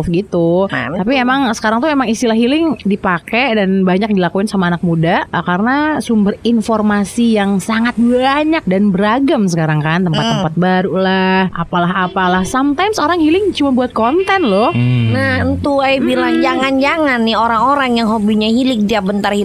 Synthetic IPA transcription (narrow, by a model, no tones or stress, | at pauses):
fɡit̪ut̪apiemaŋsə̥kaɾaŋt̪uemaŋist̪ilaɦilɪŋdipakɛdanbaɲak̚dilakuɪnsamaːnak̚mudakarnasumbərinformasijaŋsaŋat̪̚baɲak̚danbəɾaɡəmsəkaɾaŋkant̪əmpat̪ːəmpat̪̚baɾulahapalaɦapalahsamt̪ajmsoɾaŋhilɪŋt͡ʃumabuat̪̚kɔnt̪ɛnlʊhnahənt̪uajbilaŋd͡ʒaŋand͡ʒaŋanːɪoɾaŋoɾaŋjaŋɦobiɲahilɪŋdiabənt̪arhi